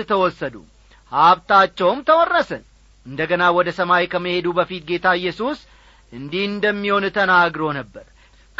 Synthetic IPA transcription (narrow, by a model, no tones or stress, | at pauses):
t̪ʰəwɔsːəd̪ṵ | haβt̪at͡ʃːɛwmt̪ʰəwɔrːəsən | ʔɨnd̪əɡənawɔd̪əsəmajkʰəmːəhe̞d̪ubəfit̪̚ɡe̞t̪ʰaɨjːɛsus | ʔɨnd̪ihɨnd̪əmːiho̞nt̪ʰənaɡɾo̞nəbːəɾ | k